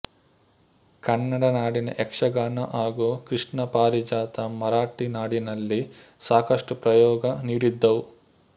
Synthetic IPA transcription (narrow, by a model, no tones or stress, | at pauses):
kɐnːɐɽɐnaːɽinɐ̰ʔɛkʂɐɡaːnɐʔaːɡuːkɾiʂɳɐpaːɾid͡ʒaːt̪ɐmɐɾaːʈinaːɽinɐlːi | saːkɐʂʈupɾɐjɔːɡɐniːɽid̪ːɐwu